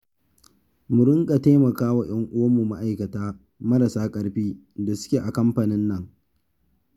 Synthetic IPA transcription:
mʊ˨ɾɪ˦ŋkʼa˨teː˦mɐ˨kaː˦wa˨j̰ɐ˦ŋʔʊ˦wɐ˦mu˨ma˦ʔa˨jkɐ˨taː˦ | mɐ˦ɾɐ˨saː˦kʼɐ˦ɽɸiː˦ | da˨sʊ̥˦kʲeː˨ʔa˨kɐ˦mɸa˨nɪ˦nːɐ˦˨ŋ

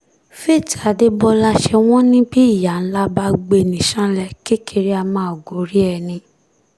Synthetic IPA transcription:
fe˦˨ti˨a˨de˦bɔ˧la˧ʃɛ˧w̃ɔ̃˦nĩ˦bi˦i˦˨ja˨n̩˦la˦ba˧ɡ͡be˧˨nĩ˨ʃã˦lɛ˧ki˦kʰe˧ɾi˦a˧mãː˨˦˨o˨ɡo˨˦ɾi˦ɛ˧˨nĩ˧

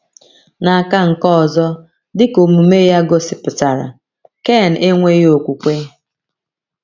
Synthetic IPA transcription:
na˨a˨ka˦ŋ̩˨kɔ˦ɔ˨zɔ˦ | dɪ˦ko˨mu˨me˦ja˦ɡo˦sɪ˨pʊ˨ta˨ɾa̰˨ | ke˦˨n̩˨e˦ŋʷe˦jo˨kʷu˨kʷe˦

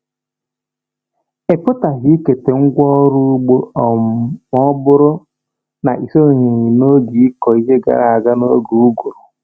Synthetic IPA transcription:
e˨pʊ˦ta˨ɦi˦ke˨te˨ŋ̩˦ɡʷɔ˦ɾu˦ɡ͡bo˦˨ɔ˦bʊ˦ɾʊ˦ | na̰˨ʔi˨so˦˨ɦi˨ɲi˨no˦ɡi˨i˦kɔ˨i˦ɦe˦ɡa̰˨ɾa˨a˨ɡa˦no˦ɡu˨u˦ɡu˨ɾʊ˨

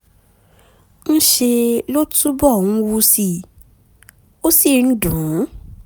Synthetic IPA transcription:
n̩˦ʃe˧lo˦tu˦bɔ˦˨wũ˦wu˧si˧˨ | o˦si˦˨n̩˦dũ˨˦

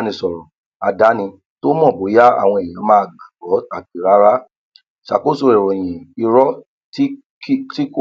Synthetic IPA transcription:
nĩ˧sɔ˨ɾɔ̃˨ | a˧da˨˦nĩ˧ | to˦mɔ̃˦˨bo˨˦ja˦a̰˦˨w̃ɔ̃˧ɛ̃˨ã˨˦mãː˦˧ɡa˨ɡɔ˨˦a˨k̚i˨ɾa˨˦ɾa˦ | ʃa̰˨ko˦˨so˧ɾɛ˨ɾɔ˨j̃ɛ̃˨i˧ɾɔ˦ | ti˦ | ti˦k

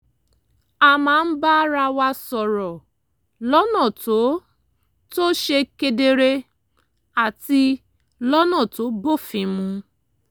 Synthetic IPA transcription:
a˨mãː˦˧n̩˦ba˦ɾa˧wa˧sɔ˨ɾɔ˨ | lɔ˦nã˦˨to˨˦ | to˦ʃe˧ke˧de˧ɾe˧ | a˨ti˧ | lɔ˦nã˦˨to˨˦bo˦˨fĩ˨˧mũ˧

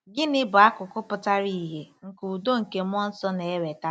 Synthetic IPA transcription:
ɡɪ˦nɪ˦bʊ˨a˦kʊ˨kʊ˦pʊ˦ta˦ɾi˦˨ɦe˨ŋ̩˨kuu˨do˦ŋ̩˨ke˨m˦ɔ˦n̩˦sɔ˦ne˨e˦ɾe˨ta˦

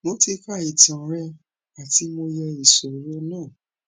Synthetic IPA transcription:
mo˧ti˧ka˦˨i˨tã˨ɾɛ˧ | a˨ti˨˦mo˧jɛ˧i˨sɔ˨ɾɔ˧˦nãː˦˨

